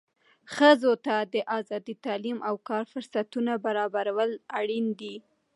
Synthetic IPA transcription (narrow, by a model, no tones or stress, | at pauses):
xəzot̪ad̪əʔazɑd̪it̪ɑlimʔawkɑɾfʊɾsat̪unabaɾɑbaɾawəlaɽind̪i